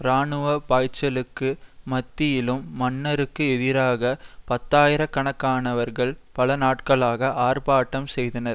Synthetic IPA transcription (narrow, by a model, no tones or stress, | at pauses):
ɾaːɳɯʋɐpaːjt͡ʃːɐlɯkːɯmɐt̪ːɪjɪlɯmːɐnːɐɾɯkːɯɛðɪɾaːɣɐpɐt̪ːaːjɪɾɐkːɐɳɐkːaːnɐʋɐɾɣɐɭpɐlɐnaːʈkɐɭaːɣɐʔaːɾpaːʈːɐmsɛjðɐnɐɾ